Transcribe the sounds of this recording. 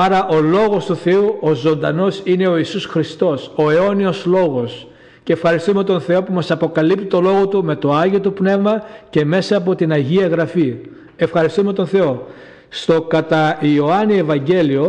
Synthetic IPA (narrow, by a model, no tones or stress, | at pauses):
ɐɾɐʔo̞lo̞ɣo̞st̪uθe̞uʔozo̞nd̪ɐno̞sine̞o̞isusxɾist̪o̞so̞e̞o̞nio̞slo̞ɣo̞s | ceːfxɐɾist̪ume̞t̪o̞nθe̞o̞pumɐsɐpo̞kɐlip̚t̪it̪o̞lo̞ɣo̞t̪ume̞t̪o̞ɐʝiot̪upne̞vmɐce̞me̞sɐːpo̞t̪inɐʝiɐɣɾɐfi | e̞fxɐɾist̪ume̞t̪o̞nθe̞o̞ | st̪o̞kɐt̪ɐio̞ɐnie̞vɐɲɟe̞lio̞